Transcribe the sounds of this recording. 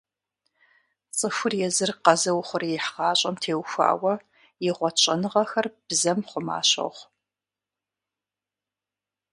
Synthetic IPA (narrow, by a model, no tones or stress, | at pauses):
t͡sʼɨxʷʊrjɛzɨrqɐzɐwχʷʊrɛħʁɑːɕʼɐmtʰeːwxʷa̰ːwɐ | jɪʁʷɔt͡ʃʼɐnɨʁɐxɐrb̥zɐmχʷʊma̰ːɕɐ̰ʁʷ